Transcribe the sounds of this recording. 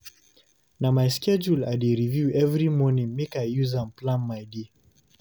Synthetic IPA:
namajskɛd͡ʒuladiɹivjuɛvɹimɔnĩŋmikajjuzãmplãnmaɪdi

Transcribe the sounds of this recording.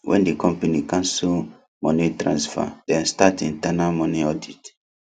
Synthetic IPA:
wʔɛ̰̃ndikɔ̃mpanikãnsu | mɔnĩtɾãnsfa̰dɛ̃nstatĩntanalmɔ̃niɔdit

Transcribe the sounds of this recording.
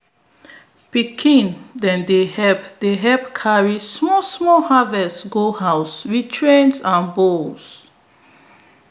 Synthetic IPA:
pikʰĩndɛ̃ndehɛpdeɦɛp̚kʰaɹismɔsmɔhavɛstɡohaʊswitʰɹẽnsãnbos

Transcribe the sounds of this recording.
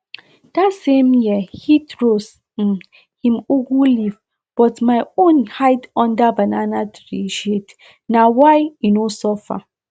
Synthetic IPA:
d̥atsẽmjihitɹos̩ | hĩmuɡuliv | b̥ɔtmaɪõnhaɪtɔ̃ndabananadɹiʃet | nawajinosɔfa̰

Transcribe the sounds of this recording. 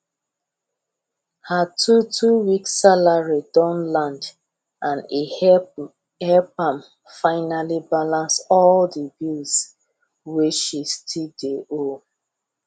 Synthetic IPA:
hatʰutʰuwiksalaɹidɔ̃nlãnd | ʔãne | ɛpãm | faɪnalibalãnsɔldəbils | weʃistʰideʔo

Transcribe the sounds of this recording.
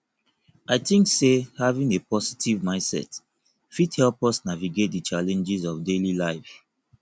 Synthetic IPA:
ʔaɪθĩŋksehavĩŋepɔsi̥tʰivmãɪ̃nsɛ̰t | fithɛlˠpɔsnaviɡet̚dət͡ʃalɛ̃nd͡ʒizɔvdelilaɪv

